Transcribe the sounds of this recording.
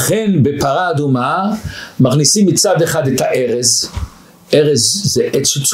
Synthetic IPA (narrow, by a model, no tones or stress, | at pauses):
χɛnbepaɾaːdumamaχnisimːit͡sadɛχadɛtaʔɛʁɛz | ɛʁɛzzɛʔɛt͡sut͡s